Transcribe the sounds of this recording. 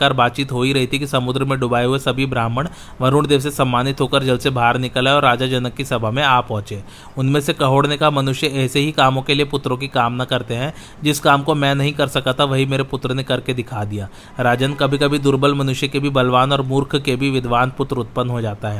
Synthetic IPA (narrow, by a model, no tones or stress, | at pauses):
kaːɾbaːt̪̚t͡ʃiːt̪ɦoːiɾɐɦit̪ʰikisɐmʊd̪ɾəmẽɖʊbaːeɦuesɐbʱibɾaːməɽ̃ | ʋɐɾʊɽd̪eːʋs̬esɐmːaːnɪt̪ɦokəɾd͡ʒɐlsebʱaːɾnɪkəleɔːɾːaːd͡ʒad͡ʒɐnəkːisɐbʱəmẽaːpːɔ̃ːt͡ʃẽː | ʊnmẽsekɐɦoːɽnekamɐnʊʃjəɛːseɦikaːmõkeliepʊt̪ɾõkikaːmnakɐɾt̪eɦɛ̃ | d͡ʒɪskaːmkomɛ̃nɐɦĩkɐɾsɐkat̪ʰaʋɐɦimeːɾepʊt̪ɾnekɐɾked̪ɪkʰad̪ijaː | ɾaːd͡ʒənkɐbʱikɐbʱid̪ʊɾbəlmɐnʊʃjəkebʱibɐlʋaːnɔːɾmʊɾkʰkebʱiʋɪd̪ʋaːnpʊt̪ɾʊt̪̚pənɦod͡ʒaːt̪aɦɛː